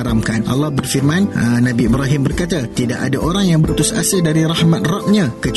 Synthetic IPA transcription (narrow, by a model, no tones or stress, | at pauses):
ɾamkana̰lːɑhbərfirmãnənãbiibɾaɦɪmbərkat̪at̪idaʔadaʔoɾaŋjaŋbəɾut̪ʊsa̰sadaɾiɾahmãt̪̚rap̚ɲãkət͡ʃ